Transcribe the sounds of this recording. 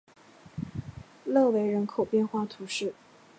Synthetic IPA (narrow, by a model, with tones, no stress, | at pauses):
lɤ˥˩we˧˥ɪɻə˧˥nkʰo˨˩ʊpjɛ˥˧nxwa˥˩t̪ʰu˧˥ʂɻ̩˥˩